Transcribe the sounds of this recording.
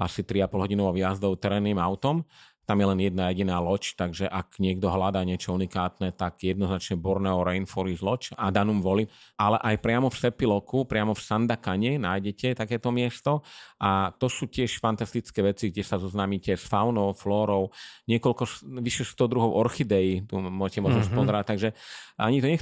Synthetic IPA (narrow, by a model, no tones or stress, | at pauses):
asit̪ɾiapɔlɦɔɟinɔʋɔʊjazd̪ɔʊt̪ɛɾɛːnːiːmaʊt̪ɔm | t̪amjɛlɛnjɛd̪̚najɛɟinaːlɔt͡ʃt̪aɡʒɛʔaɡɲɪɛɡ̚d̪ɔɦlad̪aːɲɪɛt͡ʃɔunikaːt̪nɛt̪aɡjɛd̪nɔznat͡ʃɲɛbɔɾnɛɔɾɛjnfɔɾizlɔt͡ʃad̪anuːmʋɔliʔalɛʔajpɾɪamɔfsɛpilɔkupɾɪamɔfsand̪akaɲɛnaːjɟɛcɛt̪akɛːt̪ɔmɪɛst̪ɔʔat̪ɔsuːcɪɛʃfant̪ast̪it͡skɛːʋɛt͡siɡɟɛsazɔznaːmiːcɛsfawnɔʊflɔːɾɔʊɲɪɛkɔlkɔsʋiʃɛst̪ɔd̪ɾuɦɔʊʔɔɾxid̪ɛjit̪umːʊɔʒɛcɛmɔʒnɔspɔzɛɾac̚t̪aɡʒɛaɲit̪ɔɲɛ